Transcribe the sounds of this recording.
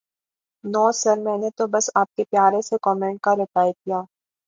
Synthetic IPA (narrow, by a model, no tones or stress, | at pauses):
nɔːsɐɾmɛ̃ːnet̪obɐsaːp̚kepjaːɾẽsekɔːmẽːɳʈ̚kaɾɪʈaːjt̪̚ijaː